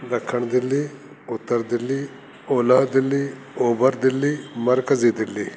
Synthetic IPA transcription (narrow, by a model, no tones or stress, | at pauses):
d̪ɐkʰːɐɳd̪ɪlːi | ʊt̪ɐɾd̪ɪlːi | oːlaːd̪ɪlːi | oːbɐɾd̪ɪlːimɐɾkɐzid̪ɪlːi